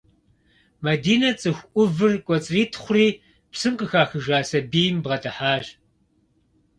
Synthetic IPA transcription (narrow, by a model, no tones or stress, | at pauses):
mɐdiːnɐt͡sʼɨxʷʔʷʊvɨrkʷʼɔt͡sʼriːtʰχʷʊriː | psɨmqəxaːxɨʒaːsɐbiːjmbʁɐtʰɐħaːʒ